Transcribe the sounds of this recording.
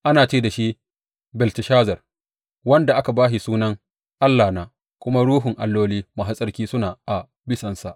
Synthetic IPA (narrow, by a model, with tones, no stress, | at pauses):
ʔa˦naː˨t͡ʃeː˦˨da˨ʃi˦ʔ | bɪ˨ltɪ˨ʃaː˦zɐ˨r | wɐ˦nda˨ʔa˦ka˨baː˦ʃi˨suː˦nɐ˦ŋ | ʔa˦lːaː˨naː˨ | kʷʊ˦ma˦ɽuː˦ɦʊ˨ŋʔa˨lːoː˦liː˦ma˨ɦa˦sʼɐ˦rkʲiː˦sʊ˦naː˨ʔa˨ | bɪ˦sɐ˨nsa˨ʔ